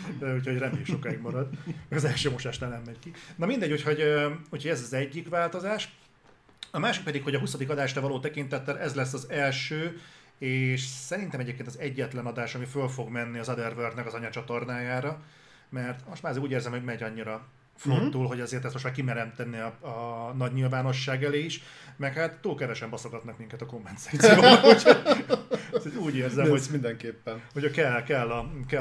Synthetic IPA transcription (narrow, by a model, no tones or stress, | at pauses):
ucho̞ɟrɛmiʃokaiɡmɒɾɒd̪mɛɡɒzɛlʃøːmo̞ʃaːʃnaːlnɛmːɛɟkinɒmind̪ɛɟucho̞ɟøuːcho̞ɟɛzɒzɛɟːikʋaːlt̪o̞zaːʃ | ɒmaːʃik̚pɛd̪ikho̞ɟɒɦusɒd̪ikɒd̪aːʃrɒvɒloːt̪ɛkint̪ɛt̪ːɛlʔɛzlɛsːɒzɛlʃøː | eːʃsɛɾint̪ɛmɛɟeːpkeːnɒzɛɟːɛt̪lɛnɒd̪aːʃɒmifølfo̞ɡmɛnːiɒzɒd̪ɛrvørd̪nɛkɒzɒɲɒt͡ʃɒt̪o̞rnaːjaːɾɒ | mɛrt̪mo̞ʃtmaːzuːɟeːrzɛmhoɟmɛɟɒɲːiɾɒ | flot̪ːulɦo̞ɟɛzeːrt̪ɛstmoʃmaːrkimɛɾɛnt̪ɛnːeɒɒnɒɟɲilvaːno̞ʃːaːɡɛleːiʃ | mɛkhaːt̪ːuːlkɛvɛʃɛmbɒsoɡɒt̪nɒkmiŋkɛt̪ɒko̞mpɛnzaːt̪sijoːo | souːɟeːrzɛmmomind̪ɛŋkeːpːɛnhocɒkɛlkɛlːɒkɛ